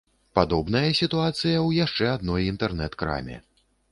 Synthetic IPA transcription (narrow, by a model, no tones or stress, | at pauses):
pad̪ɔbnɐjɐsʲit̪uat̪sɨjɐwjaʂt͡ʂɛad̪nɔjint̪ɛrnɛt̪kɾa̰mʲɛ̰